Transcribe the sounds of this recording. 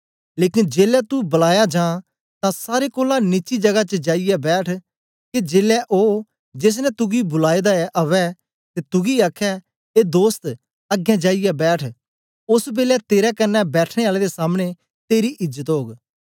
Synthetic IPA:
leːkɪ̃nd͡ʒeːlɛt̪ubəlaːjad͡ʒãː | t̪ãsaːɾekoːlãnit͡ʃid͡ʒɐɡat͡ʃəd͡ʒaːijɛbɛːʈʰ | ked͡ʒeːlɛʔoː | d͡ʒeːs̬nɛt̪ʊɡibʊlaːid̪aɛʔɐʋɛ | t̪et̪ʊɡiakʰːɛ | eːd̪oːst̪ | ɐɡjɛ̃d͡ʒaːijɛbɛːʈʰ | ʊsbeːlɛt̪eːɾɛkɐnːɛbɛːʈʰɽ̃eaːled̪esaːmɽ̃e | t̪eːɾiʔɪd͡ʒət̪ɦoːɡ

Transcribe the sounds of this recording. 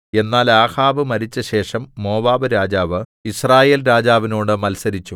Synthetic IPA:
e̞nːaːlaːhaːbɨmɐɾit͡ɕːɐɕe̞ːʂɐmːo̞ːʋaːbɨɾaːd͡ʑaːʋɨisraːje̞ːlɾaːd͡ʑaːʋinoːɽɨmɐlsɐɾit͡ɕːu

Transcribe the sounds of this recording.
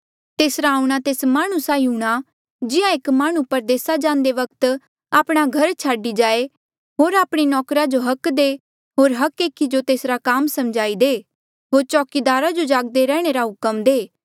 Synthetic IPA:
t̪eːsɾaːuɽ̃at̪eːsmaːɽ̃usaːiɦuːɽ̃a | d͡ʒɪãekmaːɽ̃upɐɾd̪eːsad͡ʒãːnd̪eʋɐk̚t̪ | aːpɽ̃aɡʱɐɾt͡ʃʰaːɖid͡ʒaːe | ɦoːɾaːpɽ̃inɔːkɾad͡ʒoɦɐkd̪eː | ɦoːɾɦɐkeːkʰːid͡ʒot̪eːsɾakaːmsɐmd͡ʒaːid̪eː | ɦoːɾt͡ʃɔːkid̪aːɾad͡ʒod͡ʒaːɡ̚d̪eɾɛ̃ːɽ̃eɾaɦʊkəmd̪eː

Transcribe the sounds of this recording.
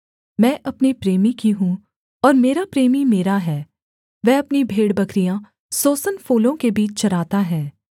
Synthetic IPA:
mɛ̃ːʔɐpnipɾeːmikiɦũ | ɔːɾmeːɾapɾeːmimeːɾaɦɛː | ʋɛɐpnibʱeːɽbɐkɾijã | soːsənfoːlõkebiːt͡ʃt͡ʃɐɾaːt̪aɦɛː

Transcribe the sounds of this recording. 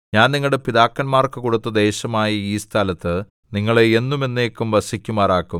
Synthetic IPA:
ɲaːnniŋːɐɭɽe̞piðaːkːɐnmaːrkɨkoɽut̪ːɐd̪e̞ːɕɐmaːjɐiːst̪ʰaːlɐt̪ːɨ | niŋːɐɭeenːume̞nːe̞ːkːumʋɐsikʲːumaːraːkːum

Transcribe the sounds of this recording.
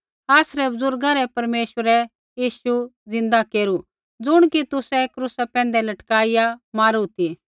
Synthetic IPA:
aːsɾɛbɐzʊɾɡãɾɛpɐɾmeːʃwəɾɛ | jiːʃud͡zɪ̃nd̪akeːɾu | d͡zʊɽ̃kit̪ʊsɛkɾʊsapɛ̃ːnd̪ɛlɐʈkaːɪjamaːɾut̪i

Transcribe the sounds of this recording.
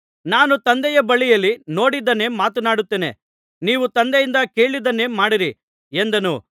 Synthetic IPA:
naːnut̪ɐnd̪ɛjɐbɐɭijɐlːino̞ːɽid̪ɐnːe̞ːmaːt̪ɐnaːɽut̪ːeːnḛ | niːʋut̪ɐnd̪ɛjind̪ɐke̞ːɭid̪ɐnːe̞ːmaːɽiɾi | end̪ɐnṵ

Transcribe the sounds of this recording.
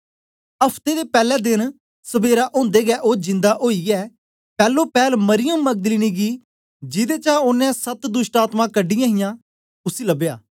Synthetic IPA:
ɐpʰt̪ed̪epɛːlɛːd̪ɪn | səbeːɾaʔõːnd̪eːɡɛːʔoːd͡ʒɪ̃nd̪aʔoːiɛː | pɛːlopɛːlmɐɾɪjəmːək̚d̪əliːniɡi | d͡ʒɪd̪eːt͡ʃãʊnːɛ̃sɐt̪d̪ʊʃʈaːt̪mãkəɖːɪjãːɦɪjãː | ʊsilɐbjaː

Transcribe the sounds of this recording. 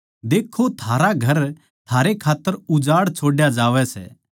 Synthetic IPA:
d̪eːkʰot̪ʰaːɾaɡʱɐɾ | t̪ʰaːɾekʰaːt̪ːəɾʊd͡ʒaːɽt͡ʃʰoːɽjad͡ʒaːʋɛsɛ̰ː

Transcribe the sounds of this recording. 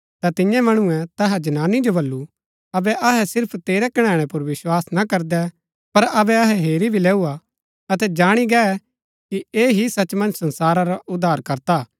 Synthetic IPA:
t̪at̪ɪjãmɐɽ̃ʊɛ̃t̪ɐɦɛd͡ʒɐnaːnid͡ʒobɐlːu | ɐbɛʔɐɦɛsɪɾpʰt̪eːɾɛkɐɽ̃ɛ̃ːɽ̃ɛ̃pʊɾʋɪswaːsnakɐɾd̪ɛ | pɐɾɐbɛɐɦɛɦeːɾibʱilɛːua | ɐt̪ɛd͡ʒaːɽ̃iɡɛɛ | kieːɦisɐt͡ʃmɐ̃nd͡ʒsɐ̃nsaːɾaɾaʔʊd̪ʱːaːɾkɐɾt̪aː

